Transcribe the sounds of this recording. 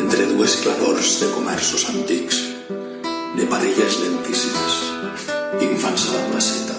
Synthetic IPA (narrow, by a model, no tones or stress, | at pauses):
ent̪ɾeðuesklaɾoɾzðekomɛɾsuzant̪ikz | d̪epaɾeʎezlent̪isimes | d̪iɱfansðakumasit̪a